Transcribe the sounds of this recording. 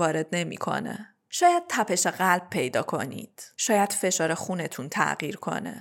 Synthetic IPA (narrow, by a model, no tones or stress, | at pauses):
ɒːɾe̞d̪ne̞mḭːkʰo̞̰nḛ | ʃɒːjæd̪̥̚t̪ʰæpʰe̞ʃeɣælb̚pʰe̞jd̪ɒ̰ːkʰo̞̰nḭːd̪̥ʃɒːjæd̪̥fe̞ʃɒːɾexune̞t̪ʰunt̪ʰæ̰ɣiːɾkʰo̞̰nḛ